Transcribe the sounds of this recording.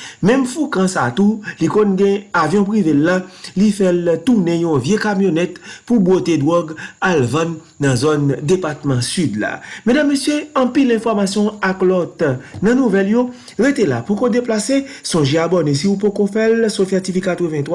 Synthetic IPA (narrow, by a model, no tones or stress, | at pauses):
mɛ̃mfukãsa̰t̪ulikɔ̃nɡɛ̃avjɔ̃pʁivelːalifɛlt̪unɛ̃jɔ̃vjekamjonɛt̪pubwot̪ed̪wɔɡalvãnː | ɐ̃zɔndepat̪mɑ̃syd̪la̰medamːesjøɐ̃pilɛ̃fɔʁmasjɔ̃aklɔt̪nɐ̃nuvɛljo | ʁet̪elapukod̪eplasesɔ̃ʒeabɔnesiupokofɛlsofɛt̪ifikat̪ʁəvɛ̃t̪wa